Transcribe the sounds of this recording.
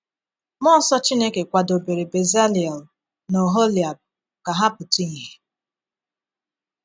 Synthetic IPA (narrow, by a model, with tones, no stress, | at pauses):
mɔ˦sɔ˦t͡ʃi˦ne˦ke˨kʷa˨do˨be˨ɾe˨be˨za˦li˨ɛ˨l | no˨ɦo˦li˨a˨b̚ | ka˨ɦa˦pʊ˨ti˦ŋ̩˨ɦe˨